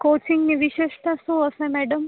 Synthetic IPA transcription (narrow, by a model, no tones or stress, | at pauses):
koːt͡ʃiŋɡniʋiʃeʃʈ̪asũəsẽmɛɖəm